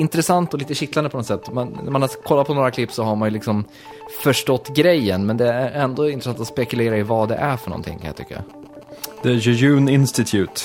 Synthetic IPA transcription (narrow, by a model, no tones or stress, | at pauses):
ɪnt̪ɾɛsant̪ɔliːt̪əɕɪk̪land̪əpʰɔnɔt̪sɛt̪ːmannæɾmanakʰɔlːat̪pʰɔnoːɾakʰlɪpːsɔɦaɾmanjɵlɪksɔm | fœʂʈɔt̪ːɡɾɛjːənmɛnd̪ɛææɾɛnd̪oːɪnɾɛsant̪ɔspɛkɵleːɾaɪvɑd̪ɛ̰ʔæɾfœɳɔ̰nt̪ʰɪ̰ŋːkʰanja̰t̪ʰʏ̰kːa̰ | d̪̥əjʉjʉːnɪnst̪ɪt̪ʰjʉːt̪